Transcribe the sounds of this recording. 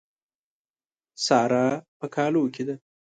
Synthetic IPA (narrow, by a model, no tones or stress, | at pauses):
sɑːɾapəkʰɑːlokʲid̪a